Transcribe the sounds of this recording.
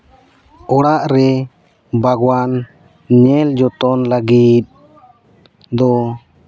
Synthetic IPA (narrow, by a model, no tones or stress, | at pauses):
ɔɽaʔɾɛ | bʱaɡwan | ɲɛld͡ʒɔt̪ɔnlaɡit̪̚ | d̪ɔ